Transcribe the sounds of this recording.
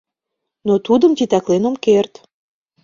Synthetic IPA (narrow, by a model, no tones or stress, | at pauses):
not̪ud̪əmt̪it̪æklenomkert̪